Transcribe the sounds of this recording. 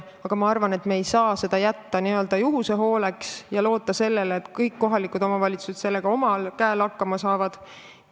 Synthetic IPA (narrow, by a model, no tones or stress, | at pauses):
ɑɡ̥ɑmɑɑrvɑne̞t̪meːjsɑːse̞d̪̥ɑjæt̪ːɑniø̞ld̪̥ɑjuɦuseɦo̞ːle̞ksjɑlo̞ːt̪ːˑɑse̞lːeleːt̪kɤjkːo̞ɦɑlikːˑud̪o̞mɑvɑlʲit̪su̥se̞t̪se̞lːe̞ɡ̥ɑo̞mɑlkæelɑkːɑmɑsɑːvɑd̪̥